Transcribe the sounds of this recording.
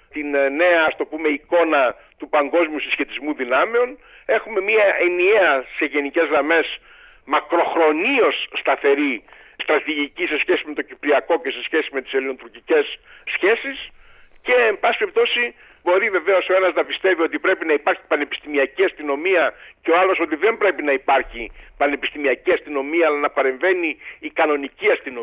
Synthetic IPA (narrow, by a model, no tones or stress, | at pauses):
t̪inne̞ɐɐst̪opume̞iko̞nɐ | t̪upɐŋɡo̞zmijusisçe̞t̪izmuðinɐmeo̞n | e̞xume̞miɐʔenieɐse̞ʝe̞nice̞zɣɾɐme̞s | mɐkɾo̞xɾo̞nio̞sːt̪ɐθe̞ɾi | st̪ɾɐt̪iʝicise̞sçesime̞t̪o̞cipɾiɐko̞ce̞se̞sçe̞simet̪iseliot̪uɾcice̞sːçe̞sis | ce̞ːmbɐsi̥peip̚t̪o̞si | bo̞ɾive̞ve̞o̞so̞e̞nɐznɐpist̪e̞vio̞t̪̬ipɾe̞pinɐipɐɾçi̥pɐne̞pi̥st̪imiɐciɐst̪ino̞miɐceoɐlo̞so̞t̪iðe̞mbɾe̞pinɐipɐɾçipɐne̞pist̪imiɐciɐst̪ino̞miɐːlɐnɐpɐɾe̞ɱve̞niːkɐno̞niciɐst̪ino